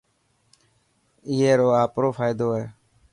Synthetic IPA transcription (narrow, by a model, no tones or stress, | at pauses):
ɪːeːɾoːaːpɾoːfʰaːɪd̪oːɦɛː